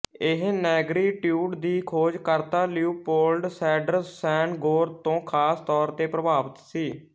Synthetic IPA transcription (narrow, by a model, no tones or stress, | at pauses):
ɪɦnɛːɡɾiːʈjuːʈd̪iːkʰoːd͡ʒkəɾt̪aːljuːpoːlɖsɛːɖəɾsɛːɳɡoːɾt̪õːkʰaːst̪ɔːɾt̪eːpɾəbaːʋət̪siː